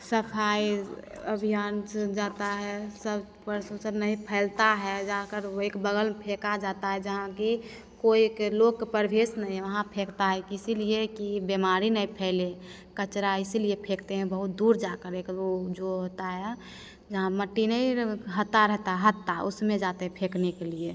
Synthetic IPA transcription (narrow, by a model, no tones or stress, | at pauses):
səpʰaijəbʱijaːnsd͡ʒat̪aɦɛsəb | bəɾsõsəbnəɦĩpʰɛɪlt̪aɦɛd͡ʒakəɾoekbəɡəlpʰekad͡ʒat̪aɦɛd͡ʒəɦãki | koikelokːpəɾbʱesnəɦĩɦʋəɦãpʰekt̪aɦɛkisiliekibemaɾinəĩpʰɛle | kət͡ʃɾaɪsliepʰekt̪eɦɛ̃bəɦut̪̚d̪uɾd͡ʒakəɾekod͡ʒoɦot̪aɦɛ | d͡ʒəɦãməʈːinəiɦət̪ːaɾɛɦt̪aɦɛɦət̪ːaʊsmẽd͡ʒat̪eɦɛ̃pʰeknekelie